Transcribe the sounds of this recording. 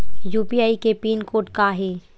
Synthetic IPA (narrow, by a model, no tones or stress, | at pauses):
juːpiaːikepiːnkoːʈkaɦiː